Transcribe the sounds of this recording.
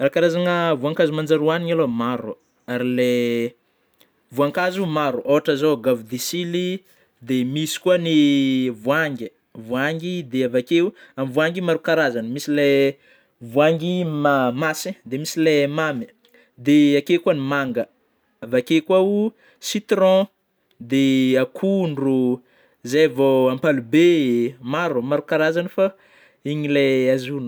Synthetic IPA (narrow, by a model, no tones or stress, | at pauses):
rakaɾazanəvuaŋkazumand͡ʒaɾuaniɲalomaɾu | aɾile | vuaŋkazumaɾuʔoɦaʈ͡ʂazoɡavud̪isili | d̪emisi̥kuənivuaŋɡi | vuaŋɡid̪eavakeuamivuaŋɡimaɾukaɾazanəmisile | vuaŋɡimamasẽd̪emisilemami̥ | d̪eakekuanimaŋɡə | avakekuau | sit̪ɾɔ̃ | d̪eakʰuɳɖ͡ʐu | zavoampalubemaɾumaɾukaɾazanəfa | iɲileazunu̥